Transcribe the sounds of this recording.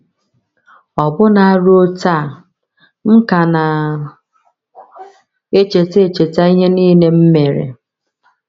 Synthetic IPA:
ɔ˨bʊ˦na˨a˦ɾo˦ta˦˨ | m̩˦ka˨na˨ | e˦t͡ʃe˨te˦e˨t͡ʃe˨ta˦i˦ɦe˦niː˦ne˦m̩˦me˨ɾḛ˨

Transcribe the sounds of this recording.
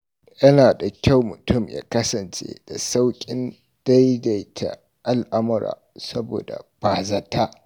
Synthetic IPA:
jɐ˦naː˨da˨kʲa˦˨wmʊ˨tʊ˦˨mja̰ː˦kɐ˦sɐ˨nt͡ʃḛ˦d̥a˨sa˦wkʲʼɪ˦n | d̥a˦jda˨jtʰa̰˨ | ʔa˦lʔa˦mʊ˦ɾa̰ː˨sɐ˦bo̰ː˨da̰˨baː˨za˦ta˦ʔ

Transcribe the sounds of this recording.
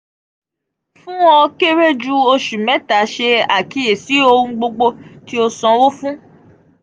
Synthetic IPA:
fũ˦ɔ˧ke˦ɾe˦d͡ʒu˦o˧ʃu˨mɛ̃˨˦ta˨˦ʃe˧a˨ki˧je˨si˨˦o˧ũ˧ɡ͡bo˧ɡ͡bo˧ti˦o˧sɔ̃˧wo˦fũ˦

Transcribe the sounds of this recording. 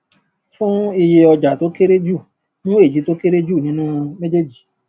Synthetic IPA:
fũ˦i˧je˧ɔ˧d͡ʒa˨to˨˦ke˦ɾe˦d͡ʒu˦˨ | nũ˦e˦˨d͡ʒi˨˦to˦ke˦ɾe˦d͡ʒu˦˨nĩ˨˦nũ˦mẽ˦d͡ʒe˦d͡ʒi˨

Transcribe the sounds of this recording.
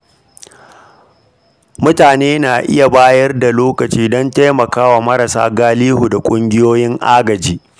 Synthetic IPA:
mʊ˦taː˨neː˦naː˨ʔɪ˦ja˨baː˦jɐ˦rda˨loː˦kɐ˨t͡ʃiː˦dɔ˦nta˦jmɐ˨kaː˦waː˨mɐ˦ɾa˨sa̰ː˦ɡaː˦liː˦hu˨da˨kʷʼʊ˦ŋɡʲɪ˦joː˦jɪ˦ŋʔaː˦ɡɐ˨d͡ʒiː˦

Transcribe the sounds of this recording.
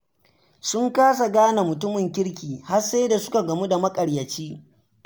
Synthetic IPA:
sʊ˦ŋkaː˦s̬a˨ɡaː˦na˨mʊ˨tʊ˦mɪ˨ŋkʲɪ˦ɽkʲiː˨ha˦rseː˦da˨sʊ˦ka˨ɡɐ˨mu˦da˨mɐ˦kʼɐ˨ɽjɐ˨t͡ʃiː˦

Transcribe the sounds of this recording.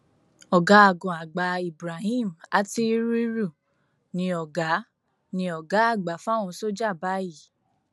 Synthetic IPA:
ɔ˨ɡa˨˦a˨ɡɔ̃˨a˨ɡ͡ba˧i˨bɾa˨ɦĩ˦˨ma˦ti˦ɾi˦ɾu˦˨ | nĩ˧ɔ˨ɡa˨˦ | nĩ˧ɔ˨ɡa˨˦a˦˨ɡ͡ba˨˦fa˦w̃ɔ̃˧so˦d͡ʒa˦˨ba˨˦i˦˨

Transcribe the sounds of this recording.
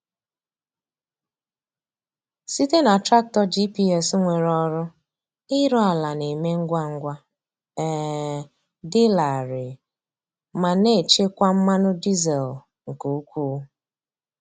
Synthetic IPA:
si˦te˦na˨tɾa˦k̚tɔ˦d͡ʒi˦pi˦ɛ˦sŋʷe˨ɾɔ˦ɾʊ˦ | ɪ˦ɾɔ˦a˨la˨ni˨me˦ŋ̩˦ɡʷa˦ŋ̩˦ɡʷa˦ | ɛ˨ | dɪ˦la˨ɾɪ˨ | ma˨ne˦˨t͡ʃe˦kʷa˦m̩˦ma˦nʊ˦di˦ze˨l | ŋ̩˨ku˨u˦kʷuː˦

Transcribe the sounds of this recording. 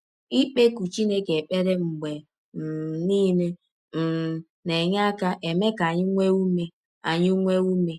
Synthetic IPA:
i˦k͡pe˦ku˨t͡ʃi˦ne˦ke˨k͡pe˦ɾe˦ŋ͡m̩˨ɡ͡be˨ | m̩˨niː˦ne˦ | m̩˨ | ne˨ɲa˦ka˦ʔe˨me˦ka˨ɲɪ˦ŋʷe˦u˦me˦ | a˨ɲɪ˦ŋʷe˦u˦me˦

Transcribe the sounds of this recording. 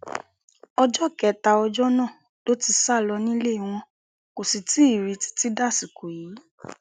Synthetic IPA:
ɔ˧d͡ʒɔ˦kɛ˨ta˧ɔ˧d͡ʒɔ˦nãː˦˨ | to˦ti˧sa˦˨lɔ˧nĩ˦le˦i˧w̃ɔ̃˧ | ko˨si˨ti˨˦i˦˨ɾi˨˧ti̥˧ti˦da˦˨si˨ko˨ji˨˦

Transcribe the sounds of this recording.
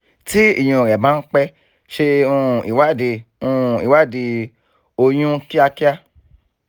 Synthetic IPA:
ti˦ḭ˦˨j̃ũ˧˨ɾɛ˨bã˦k͡pɛ˦ | ʃe˧ũ˧ḭ˨wa˦˨de˧ũ˧i˨wa˦˨di˧ | o˧j̃ũ˦ki˦a˧ki˦a˧

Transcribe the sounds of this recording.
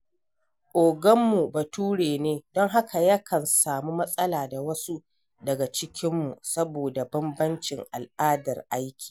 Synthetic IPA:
ʔoː˨ɡɐ˦mːu˨ba˨tuː˦ɽeː˨neː˦dɔ˦ŋɦa˦kʰa˨jɐ˦kʰɐ˨nsaː˨muː˦mɐ˦sʼɐ˦laː˨da˨wɐ˦su˦ | dɐ˨ɡa˨t͡ʃɪ˦kʲɪ˦mːu˨sɐ˦boː˨da˨bɐ˦mbɐ˦nt͡ʃɪ˨ŋʔa̰˨lʔaː˦dɐ̰˨rʔa˦jkʲi̥ː˨

